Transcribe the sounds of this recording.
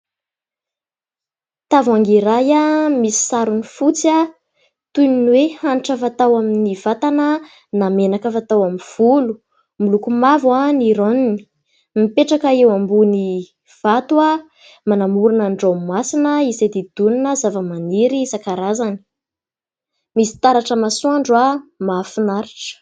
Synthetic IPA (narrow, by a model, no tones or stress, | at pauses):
t̪avaŋɡiɾajamisi̥saɾunifut͡sia | t̪uninwehanʈ͡ʂəvat̪awaminiv̥at̪anə | namenakəvat̪awamiv̥ulu | mulukumavwaniɾonini̥ | mipeʈ͡ʂakəewambuni | v̥at̪ua | manamuɾunaɳɖ͡ʐowmasinəizajd̪ed̪̥uninəzavəmaniɾizakaɾazani̥ | misi̥t̪aɾaʈ͡ʂəmasuaɳɖ͡ʐwamafinaɾiʈ͡ʂə̥